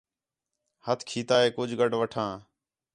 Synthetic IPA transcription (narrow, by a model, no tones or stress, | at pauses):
hət̪ʰkʰiːt̪aːɦeːkʊd͡ʒʱɡəɖʋəʈʰãː